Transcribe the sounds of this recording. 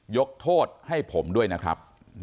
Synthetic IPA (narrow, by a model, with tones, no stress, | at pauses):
jo˦˥k̚t̪ʰoː˥˩t̪̚ha˥˩jpʰo˩˦mdu˥˩əjna˦˥kʰɾa̰˦˥p̚